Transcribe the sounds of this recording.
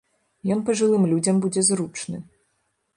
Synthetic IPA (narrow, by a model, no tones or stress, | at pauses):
jɔnpɐʐɨlˠɨmlʲud͡zʲɐmbud͡zʲɛzɾut͡ʂnɨ